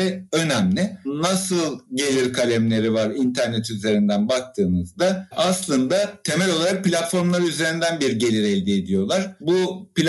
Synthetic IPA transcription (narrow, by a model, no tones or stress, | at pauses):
ɛø̞næmlʲɪnasɯlˠɟe̞lʲiɾkʰalʲæmlʲe̞ɾivaɾint̪ʰæɾnɛt̪yze̞ɾind̪ænbak̚t̪ʰɯːmɯzd̪aʔaslˠɯnd̪at̪ʰe̞mɛlʲo̞lˠaɾak̚pʰilʲat̪fo̞ɾmlˠaɾyze̞ɾind̪ænbiɾɟe̞lʲiɾɛlʲd̪iːd̪ijo̞lˠaɾ̥bupi